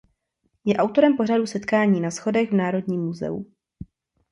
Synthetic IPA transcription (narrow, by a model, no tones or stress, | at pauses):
jɛʔawt̪o̞ɾɛmpo̞radusɛt̪kaːɲiːnasxo̞dɛɣvnaːɾo̞dɲiːmːuzɛ̰ṵ